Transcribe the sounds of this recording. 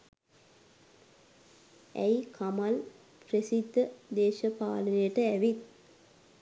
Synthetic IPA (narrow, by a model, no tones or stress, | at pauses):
æ̰jkʰɐmɐl | presid̪ːəd̪eːʃɐpaːlənejəʈəæʋit̪